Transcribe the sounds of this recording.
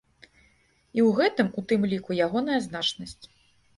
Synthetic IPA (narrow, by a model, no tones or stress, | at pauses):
iwɣɛt̪ɨmut̪ɨmlʲikujaɣɔn̪ɐjɐznat͡ʂnɐsʲt͡sʲ